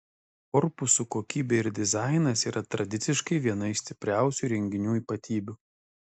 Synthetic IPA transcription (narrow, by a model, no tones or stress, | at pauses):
kɔɾpʊsukoːkʲiːbʲeːɪɾd̪ʲɪzɑˑɪnɐsiːɾʔɐt̪ɾɐd̪ʲɪt̪sʲɪʃkɐɪʋʲiɛnɐɪsʲt̪ʲɪpʲɾʲæˑʊsʲuɾʲɛŋʲɡʲɪnʲuːiːpɐt̪ʲiːbʲʊ